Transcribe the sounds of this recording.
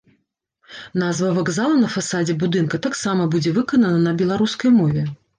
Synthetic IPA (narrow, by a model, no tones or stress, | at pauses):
n̪azvɐvaɡzalˠɐnɐfasad͡zʲɛbud̪ɨnkɐt̪aksamɐbud͡zʲɛvɨkɐnɐnɐnɐbʲɛlˠaɾuskɐjmɔvʲɛ